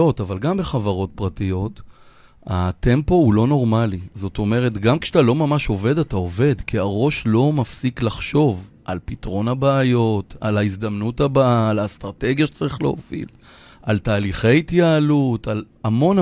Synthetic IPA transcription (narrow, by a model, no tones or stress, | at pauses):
o̞tavalɡambe̞χavaʁo̞t̚pʁatijo̞t | hate̞mpo̞ulo̞no̞ʁmalizo̞to̞me̞ʁe̞tɡamkʃatalo̞mamaʃo̞ve̞datao̞ve̞d̪kiaʁo̞ʃlo̞mafsiklaχʃo̞v | ʔalpitʁo̞nabaːjo̞talaizd̪amnuthabaːlast̪ʁate̞ɡjaʃe̥t͡saʁiχlḛo̰fḭl | altaːliχe̞jitjaːlutʰal | amo̞n